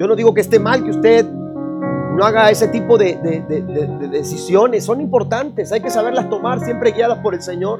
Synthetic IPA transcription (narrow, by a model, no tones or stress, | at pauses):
o̞no̞ðiɣokeːst̪e̞malkeust̪e̞ð | noaɣae̞se̞t̪ipo̞ðeðeðeeðeðe̞sisjo̞ne̞sːo̞nimpo̞ɾt̪ant̪e̞sajke̞saβe̞ɾlast̪o̞maɾsje̞mpɾe̞ɣjaðaspo̞ɾe̞lse̞ɲo̞ɾ